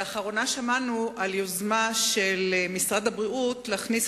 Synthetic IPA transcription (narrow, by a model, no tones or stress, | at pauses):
aχaʁo̞naʃamanuʔaljozmaʃelmisʁad̪abʁiʔutlaːχnis